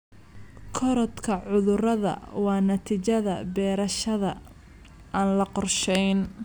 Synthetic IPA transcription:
kʰɔɾɔt̪kʰɐʕʊðʊrɐðɐ̰wɑːnɐt̪ʰiːt͡ʃɐðɐ̰bɛːɾɐʃɐðɐ | ʔaːnlɐqɔrʃɛjn

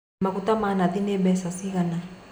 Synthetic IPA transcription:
makut̪amanaðinɛmbɛsasiɣana

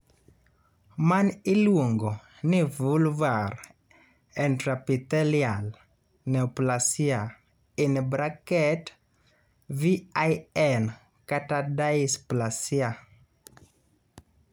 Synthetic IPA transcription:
manilwoŋɡo | nɪvulvaɾ | ɛntɾapit̪ɛljal | nɛplasia | inbɾakɛt | viajɛn | katadaisplasia

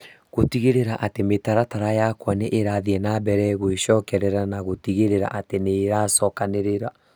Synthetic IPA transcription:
ɣotiɣeɾeɾaʔatemetaɾataɾajakwaneʔeɾaðiɛnabɛɾɛɣoeɕɔːkɛɾɛɾanaɣotiɣeɾeɾa̰ʔateneːɾasɔːkaneɾeɾa

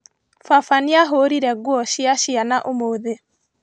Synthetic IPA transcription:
fafaniaɦoɾiɾɛɡwɔɕiaɕianaʔomoðe

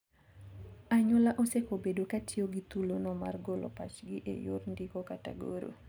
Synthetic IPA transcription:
aɲɔlaʔosekobedokatioɡit̪ulonɔma̰rɡolɔ̰pat͡ʃɡɪʔḛjo̰rndikokata̰ɡo̰ɾo̰

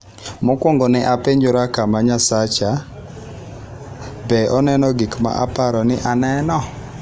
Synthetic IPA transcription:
mɔkwɔŋɡɔnɪʔapeɲd͡ʒoɾakamaɲasat͡ʃa | bɛʔɔnɛnɔɡikma̰ʔa̰paɾɔnɪʔanɛnɔ

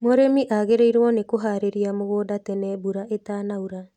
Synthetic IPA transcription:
moɾemiʔaɣeɾeiɾwɔnekoɦaːɾeɾiamoɣoːdatɛnɛbuɾaʔetaːnauɾa

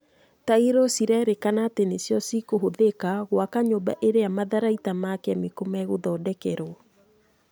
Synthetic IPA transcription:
taiɾosiɾɛɾekanaːtenesjɔsikoɦoðekaɣwakaɲoba̰ʔeɾeamaðaɾaitamakɛamekomɛɣoðɔːdɛkɛɾo

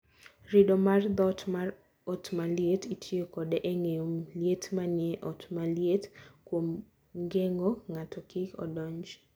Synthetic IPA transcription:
ɾɪdɔmard̪ɔtmar | ɔtmaljetitʰjekɔdɛʔeŋeomljetmanjɛʔɔtmaljetkwom | ŋɡeŋoŋatʰɔkɪkɔ̰dɔɲd͡ʒ

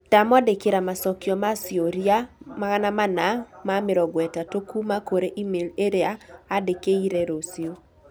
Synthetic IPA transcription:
tamɔdekɪɾamasɔkjɔmasjoɾiamaɣanamanamamɪɾɔɡwɛtatokumakoɾeʔimeleɾeaːdekeiɾɛɾosio

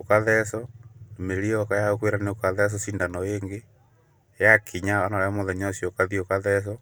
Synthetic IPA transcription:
okaðɛsɔnmeɾiɔkajaokweɾaneokaðɛs̬ɔsiːndanɔeŋɡe | jakʰiɲaɔnaamoðɛɲɔsiokaðiokaðɛs̬ɔ

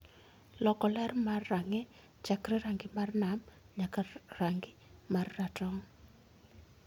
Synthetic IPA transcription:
lɔkɔlɛrmarːaŋɛ | t͡ʃakɾɛɾaŋɡɪmarnam | ɲakaraŋɡɪmarːatɔŋ

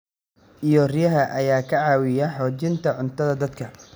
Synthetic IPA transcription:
ʔijɔrɪjɐɦɐʔɐjaːkʰɐʕɑːwɪjɐħɔːt͡ʃɪnt̪ʰɐʕʊnt̪ʰɐðɐd̪ɐd̪kʰɐ

